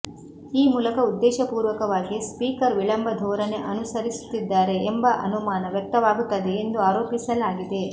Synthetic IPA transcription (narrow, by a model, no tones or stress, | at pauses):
iːmuːlɐkɐud̪ːɛːʃɐpuːɾʋɐkɐʋaːɡispiːkɐɾʋiɭɐmbɐd̪ʱɔːɾɐne̞ʔɐnusɐɾisu̥t̪ːid̪ːaːɾe̞embɐʔɐ̰numaːnɐʋjɐk̚t̪ɐʋaːɡut̪ːɐd̪eːnd̪uaːɾoːpisɐlaːɡid̪e̞